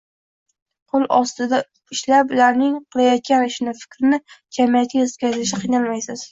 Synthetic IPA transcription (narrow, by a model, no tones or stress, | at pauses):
qʰolˠɒst̪ɪd̪a | ɪʃlapʊlaɾnɪŋqʰɨlˠajɒt̪̚kʲanɪʃɪnɪfɪ̥kʲɾɪnɪd͡ʒamat̪̚kʲaet̪kʲazɪʃ̬ɪqʰijnalmajsɪz̥